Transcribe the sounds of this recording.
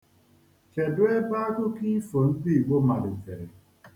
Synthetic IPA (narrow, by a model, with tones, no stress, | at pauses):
t͡ʃe˨dʊ˦e˦ba˦ɡʊ˦ki˦fo˨n̩˦di˦˨ɡ͡bo˦ma˨dɪ˨fe˨ɾe˨